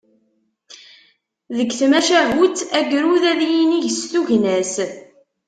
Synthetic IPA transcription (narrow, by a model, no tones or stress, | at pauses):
ðəɡθmæʃæɦut͡s̪æɡɾuðæðjiniʝəst̪uʝnæs